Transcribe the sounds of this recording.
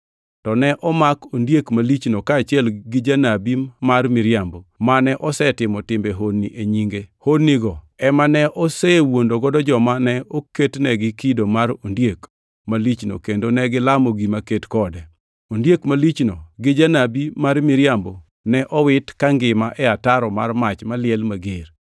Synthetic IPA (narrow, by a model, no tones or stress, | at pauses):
tɔnɛʔɔmakondjekmalit͡ʃnokaːt͡ʃɪɛlɡɪd͡ʒanabimarmɪɾjambomanɛʔɔsɛtɪmɔtɪmbeɦodniʔeɲiŋɡehodniɡɔ | ɛmanɛʔɔsɛwondoɡɔdɔd͡ʒɔmanɛoketnɛɡɪkidomaɾondjek | malit͡ʃno̰kendonɛɡɪlamoɡimaketkɔdɛ | ondjekmalit͡ʃnoɡɪd͡ʒanabimarmɪɾjambo | nɛʔɔwɪtkaŋɡɪmaʔɛataɾɔmarmat͡ʃmalɪɛlmaɡeɾ